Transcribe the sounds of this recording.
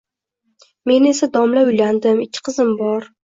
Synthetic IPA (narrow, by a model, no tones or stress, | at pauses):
me̞ne̞sad̪ɒmlaʊjland̪ɪmɪkʲʰːɪ̥qʰɨzɪmbɒɾ